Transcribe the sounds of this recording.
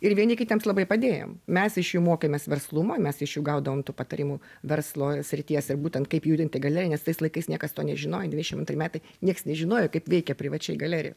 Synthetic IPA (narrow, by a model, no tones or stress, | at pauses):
ɪɾʋʲiɛnʲɪkʲɪt̪ʲɛmslˠɐbɐɪpɐd̪ʲeːjo̰mmʲɛsɪʃjuːmoːkʲeːmʲeːsʋʲɛrslˠumoːmʲɛsɪʃjuːɡɐʊd̪ɐʋoːmt̪uːpɐt̪ɐɾʲimuʋʲɛrslˠoːsʲɾʲɪt̪ʲiɛsɪrbuːt̪ʲɛnt̪kɐɪpjuːd̪ʲɪnʲt̪ʲɪɡɐlʲæːɾʲɪɛnʲɛst̪ɐɪslˠɐɪkɐɪsnʲiɛkɐst̪oːnʲɛʒʲɪnoːjɛd̪ʲʋʲɪd̪ʲɛʃɪmɐnt̪rʲɪmʲæːt̪ɐɪnʲiɛksnʲɛʒʲɪnoːjoːkɐɪpʋʲɛɪkʲɛpʲɾʲɪʋɐt͡ʃʲɛɪɡɐlʲæːɾʲɪ̰jo̰